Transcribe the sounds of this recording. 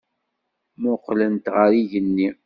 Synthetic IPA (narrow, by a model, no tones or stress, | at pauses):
mʊqːlənt̪ʁəɾiʝənːi